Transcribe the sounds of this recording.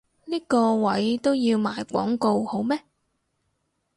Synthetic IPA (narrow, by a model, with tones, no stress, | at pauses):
niː˥kɔː˧wɐ˨˥jt̪o˥wjiː˧wmaː˨˧jkʷɔ̰ː˨˥ŋko˧who˨˥wmɛː˥